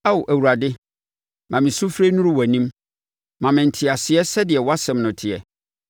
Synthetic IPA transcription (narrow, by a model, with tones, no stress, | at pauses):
a˦˨ʔæ˨wu˨ɾa˨dɪ˦ | mã˨mɪ̃˨sʊ˦fɾe˦nũ˦ɾʊ˦wæ˨nĩ˦m | mã˨mɪ̃˨n̩˨tʰɪ˨a˨sɪ˨ɛ˦sɛ˦dɪ˨ɛ˨wa˦sɛ̃˨mnʊ̃˨tʰɪ˨ɛ̰˨